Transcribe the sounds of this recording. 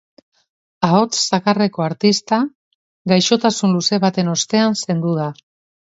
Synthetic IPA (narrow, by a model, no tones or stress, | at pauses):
ao̞t͡sːakare̞ko̞aɾt̪ist̪a | ɡajʃo̞t̪asunluse̞βat̪e̞no̞st̪e̞anse̞nd̪uða